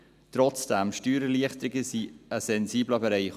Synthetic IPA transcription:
tɾɔt͡sd̥ɛmʃtyːɾəliəχtɾɪɡəsiəsɛnziːbləbɛɾɛɪχ

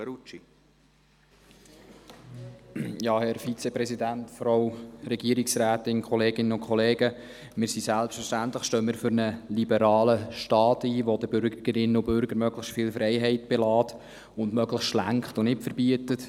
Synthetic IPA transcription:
ɾut͡ʃi | jɑːhɛɾfit͡sɛpɾɛsidænt̪fɔɾɑwɾɛɡiəɾɪksɾæːtɪnkʰɔleːɡɪnənʊnkʰχɔleːɡə | mɪːɾsisælpstfəɾʃtæntləχʃtøːmɪːɾfʏɾnəlibəɾɑːləʃtɑːtiːʋod̪əbʏɾɡəɡ̥əɾɪnəʊbʏɾɡ̥əɾmœɡləxstfɪːlfɾɛɪɦɛɪtb̥elɑːt | ʊndmœɡləstʃlæ̰ŋχtʊnɪtfəɾbiətət

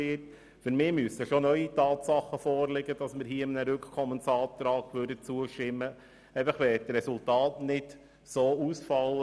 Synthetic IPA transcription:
ɪt | fʏɾmɪːmyəsəʃonœʏitɑːtsɑχəfɔːɾlɪɡəd̥ɑsmɪɾhiːəɪmnəɾʏkχkʰɔmənsɑːt̪ɾɑːɡʋøɾdət͡suəʃtɪmːə | ɛfəχʋɛːtɾɛsultɑːtnɪt | soːusfɑlːə

